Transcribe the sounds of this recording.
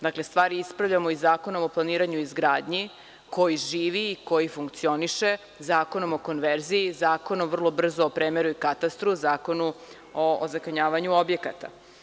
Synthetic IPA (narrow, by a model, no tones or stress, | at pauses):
d̪akle̞st̪ʋaːɾiispɾavʎamo̞izaːko̞no̞moplˠaniːɾaɲuizɡɾaːd̪ɲi | ko̞jiʒiːʋiːko̞jifuŋkt̪sio̞niʃe̞ | zaːko̞no̞mo̞ko̞nʋeɾziizaːko̞no̞mvr̩lˠo̞br̩zoopɾeːmeɾuikat̪ast̪ɾuzaːko̞nu | oːzakaɲaːʋaɲuobje̞kat̪a̰